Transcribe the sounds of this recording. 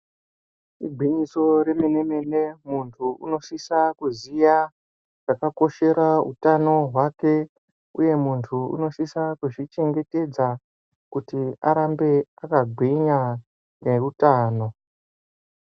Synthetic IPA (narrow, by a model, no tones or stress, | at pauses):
iɡʱiɲiso̞ɾe̞mene̞me̞ne̞muntʰuṵno̞sisakuzija | ʐ̥akako̞ʃe̞ɾaṵtano̞ɦwake̞ | uje̞muntʰuṵno̞sisakuʐit͡ʃe̞ŋɡe̞te̞d͡za | kutia̰ɾambe̞akaɡʱiɲa | ne̞rutaːno̞